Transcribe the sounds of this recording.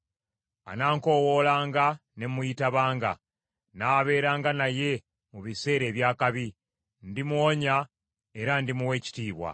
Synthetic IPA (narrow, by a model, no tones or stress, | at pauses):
a̰naːŋko̞wo̞laːŋɡane̞mujitaβaːŋɡa̰ | naːβe̞ːɾaːŋɡanaje̞ | muβise̞ːɾe̞ːβjaːkaβi | ndimuoɲa | e̞ɾandimuwe̞ːci̥tiːβwa̰